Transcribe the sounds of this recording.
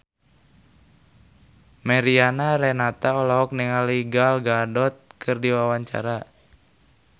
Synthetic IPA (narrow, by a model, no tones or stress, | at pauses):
mɛɾianaɾɛnat̪aɔlaɦɔk̚nɛŋaliɡalɡadɔt̪̚kʰɨrdiwawaɲt͡ʃa̰ɾa